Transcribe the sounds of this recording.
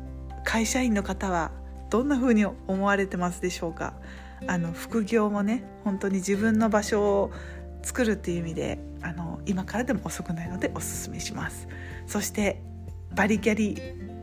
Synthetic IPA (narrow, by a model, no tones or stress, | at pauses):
kʰaiɕaĩnːo̞kat̪aβ̞a | d̪̥õ̞nːaɸɯ̟ːɲ̟iomo̞βaɾe̞t̪e̞masɨd̪e̞ɕo̞ːka̰ | ano̞ɸɯ̟̥kɯ̟ɡʲo̞ːmo̞ne̞ | hõ̞nt̪o̞ɲ̟id͡ʑibɯ̟̃nːo̞baɕo̞ː | t͡sɨ̥kɯ̟ɾɯ̟t̪ːe̞jɯ̟imʲid̪e̞̰ | ano̞imakaɾad̪e̞moːso̞kɯ̟naino̞d̪e̞ʔo̞sɨ̥sɨme̞ɕimasɨ̥ | so̞ɕi̥t̪e̞ | baɾʲiɡʲaɾʲi